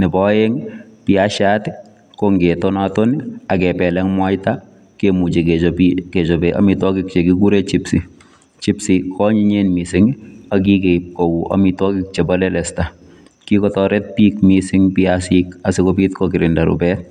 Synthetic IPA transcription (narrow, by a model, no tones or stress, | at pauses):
nɪbɔjeŋpiaʃatɪ | koŋɡetɔnatoniakɛpɛlɛŋmwajta | kemut͡ʃekepiket͡ʃɔbeʔa̰mitwɔkɪk̚t͡ʃekikuɾet͡ʃipsi | t͡ʃipsikʰɔɲiɲenmisɪŋak̬ikeip̚kowuʔa̰mitwɔkɪk̚t͡ʃebalɛlɛsta | kikɔtɔɾɛt̚piːk̚misɪŋpiasikasikopiːtkɔkɪɾɪndaɾṵpɛt̚